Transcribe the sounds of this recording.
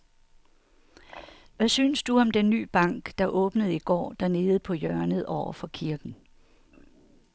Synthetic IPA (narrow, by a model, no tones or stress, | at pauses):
ʋæsynəsd̥uɒ̽md̥enːy̰ːb̥ɑ̈ŋ̰ɡ̥d̥ɑ̈ʔɔ̽ːb̥nəð̞̩ˠiɡ̥ɒ̰ːd̥æɐne̝ːð̞̩ˠpʰɒ̽jœɐnəð̩ˠɒʊ̰ɐfɒ̽kʰiɐɡ̥n̩